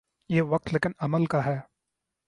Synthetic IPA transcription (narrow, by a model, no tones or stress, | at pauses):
jeːʋɐk̚t̪leːkɪnɐməlkaɦɛː